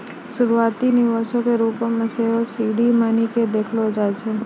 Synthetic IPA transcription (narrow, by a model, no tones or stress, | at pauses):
ʃʊɾuat̪inɪʋaʃõkeɾupomãseʋosiɽimaniked̪ekʰlod͡ʒajt͡ʃʰe